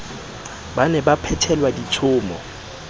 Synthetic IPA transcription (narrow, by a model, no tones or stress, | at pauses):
banɛbapʰɛtʰɛlwadit͡ʃʰʊːmɔ